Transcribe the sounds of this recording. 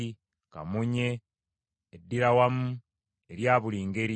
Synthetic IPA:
kamuɲe̞ː | dːiɾawamu | eɾjaːβuliːŋɡe̞ɾi

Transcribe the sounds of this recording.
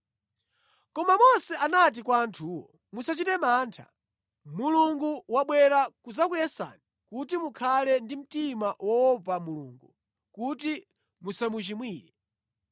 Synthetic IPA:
kɔmamɔnsɛʔanat̬ikwaːntʰuːwɔ̰ | musat͡ʃitɛmaːntʰa̰ | muluŋɡuwaɓwɛɾakuzakujɛsa̰ni | kutimukʰalɛndim̩timawɔwɔpamulṵːŋɡu | kuti | musamut͡ʃimwiːɾɛ

